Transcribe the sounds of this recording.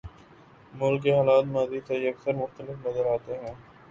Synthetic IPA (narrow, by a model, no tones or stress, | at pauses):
mʊlkeɦaːlaːt̪maːzit̪eɐksəɾmʊxt̪əlɪfmɐzəɾaːt̪eɦɛ̃ː